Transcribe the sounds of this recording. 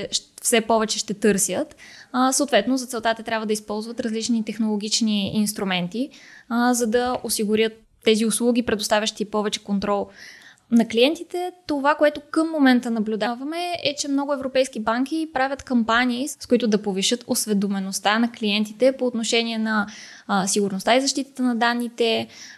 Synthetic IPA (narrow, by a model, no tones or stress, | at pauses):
ʃfsɛpɔvɛt͡ʃɛʃt̪ɛt̪ɤɾsʲjət̪səot̪vɛt̪nozɐt̪sɛlˠt̪at̪ɐt̪ɾʲabvəd̪əispɔlˠzvət̪ɾɐzlit͡ʃnit̪ɛxnolˠoɡʲit͡ʃniinst̪ɾumɛnt̪izɐd̪ɐosiɡʊɾʲjət̪ːɛziʊslˠuɡʲipɾɛd̪ost̪avʲəʃt̪ipɔvɛt͡ʃɛ̥kont̪ɾɔlˠ | nɐklijɛnt̪it̪ɛt̪ovakoɛt̪okəmːomɛnt̪ənɐblʲʊd̪avɐmɛɛt͡ʃɛmnɔɡʊɛvɾopɛjskibaŋkʲipɾavʲət̪kɐmpanʲiːskoit̪ʊd̪ɐpoviʃɤt̪osvɛd̪omɛnost̪anɐkliɛnt̪it̪ɛpoːt̪noʃɛniɛnɐ | siɡʊɾnost̪aizɐʃt̪it̪ə̥t̪ənɐd̪anːit̪ɛ